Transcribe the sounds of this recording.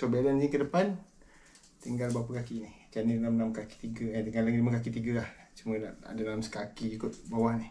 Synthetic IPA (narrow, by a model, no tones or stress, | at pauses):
sobaalannikədəpan | t̪iŋɡalbawpakakinɪht͡ʃanidalamlamkaki̥t̪iɡəant̪iŋɡalːaɡidimakakit̪iɡəlaht͡ʃuməna̰ʔa̰danalamsə̥kakiikʊt̪̚bawahnɪh